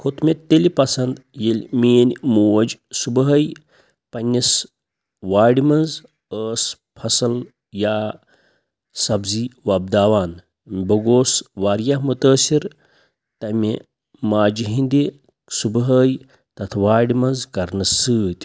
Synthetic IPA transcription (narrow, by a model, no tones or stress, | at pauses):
kʰot̪mʲet̪ːelipɐsɐnd̪jelʲmeːnʲmuːɐd͡ʒsubɦɐj | pɐnʲːis | ʋaːɽimɐnz | əːs | pʰɐsɐl | jaː | sɐbziʋɐb̚d̪aːʋaːn | bɐɡoːsʋaːɾjɐɦmut̪əːsiɾ | t̪ɐmʲe | maːd͡ʒiɦĩnd̪i | subɦəːj | t̪ɐt̪ʰʋaːɖimɐnzkɐɾnɨsɨːt̪ʲ